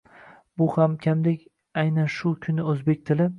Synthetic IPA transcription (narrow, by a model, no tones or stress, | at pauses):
bʊhamkʲʰamd̪ekʲ | ajnanʃʊkʲʰʊnɪɵzbe̞k̚ʲt̪ʰɪlɪ